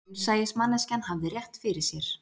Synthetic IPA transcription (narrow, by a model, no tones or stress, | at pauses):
saːjɪsmanːascanhavðɪrjɛht̪fɪɾɪɾ̥sjɛɾ̥